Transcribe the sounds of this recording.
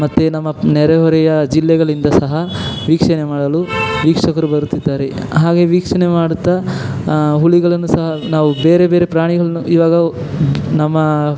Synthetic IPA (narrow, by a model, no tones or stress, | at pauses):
mɐt̪ːenɐmːɐnɛɾɛɦɔɾɛjɐd͡ʒilːɛɡɐɭind̪ɐsɐɦɐʋiːkʂɐnemaːɽɐluʋiːkʂɐkɐɾubɐɾut̪ːid̪ːaːɾe | ɦaːɡe̞ʋiːkʂɐnemaːɽut̪ːa | ɦuɭiɡɐɭɐnːusɐɦɐnaːʋube̞ːɾe̞beːɾepɾaːɳiɡɐɭɐnuʔiːʋaːɡɐ | nɐmːɐ